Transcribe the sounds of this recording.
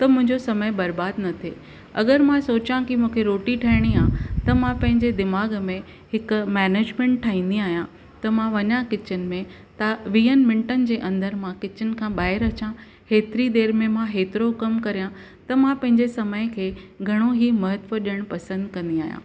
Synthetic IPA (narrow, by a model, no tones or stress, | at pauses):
t̪ɐmʊ̃ɦɪ̃ɲd͡ʑosɐməjbɐɾbaːd̪nɐt̪ʰe | ɐ̰ɡəɾmãsoːt͡ɕãkimũːkʰeɾoːʈiʈʰɐɪɽ̃iaːt̪ɐmãpɐ̃ɦɪ̃ɲd͡ʑed̪ɪmaːɡmẽ | hɪkmɛːneːd͡ʑmẽːɳʈʈʰːaːɦĩːn̆d̪iaːɦijã | t̪ɐmãʋɐɲãkɪt͡ɕənɪ̆mẽ | t̪ɐʋiːənmɪ̃ɳʈənɪ̆d͡ʑeːʔɐ̃nd̪əɾmãkɪt͡ɕənɪ̆kʰãːɓaːɦɪɾɐt͡ɕã | heːt̪ɪɾid̪eːɾmẽmãɦeːt̪ɪɾokɐmkɐɾijã | t̪ɐmãpɐ̃ɦɪ̃ɲd͡ʑesɐməjkʰeːɡʱɐɽ̃oɦimɐɦət̪ʋəɗiəɽ̃pɐsə̃nd̪kɐ̃nd̪iaːɦjã̰